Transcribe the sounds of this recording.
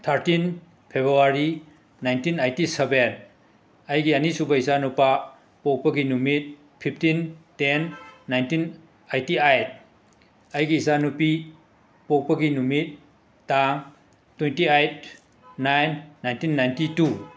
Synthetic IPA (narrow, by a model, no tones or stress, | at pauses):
t̪ʰaɾtin | pʰebɾuaɾi | najntinajtiseben | ɐjɡiɐnisubɐizanupa | pok̚pɐɡinumit̚ | pʰipʰtintenːajntin | ajtiajt̚ | ɐjɡiːzanupi | pok̚pɐɡinumit̚ː | aŋ | twentiajt̚ | najnːajntinːajntitu